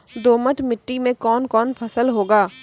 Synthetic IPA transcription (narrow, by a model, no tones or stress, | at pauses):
d̪oːməʈʰmɪʈːimẽkɔːnkɔːnpʰɐsəlɦoːɡaː